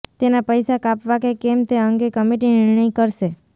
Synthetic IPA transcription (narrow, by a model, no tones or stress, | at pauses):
t̪enapəjsakapʋakekemt̪eəŋɡekəmeʈinɪɾɳəjkəɾʃe